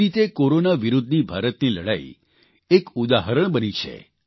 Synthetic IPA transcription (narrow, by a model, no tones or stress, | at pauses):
it̪ekoɾonaʋiɾud̪ʱnibʱaɾət̪niləɽa̰i | ekud̪aɦəɾəɳ̃bənit͡ʃʰḛ